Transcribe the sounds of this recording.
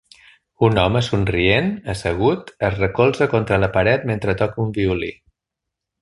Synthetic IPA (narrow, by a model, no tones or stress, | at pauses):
unɔməsunrienəsəɣ̞ut̪əzrəkolˠzəkont̪ɾələpəɾɛt̪̚ment̪ɾət̪ɔkumbiuli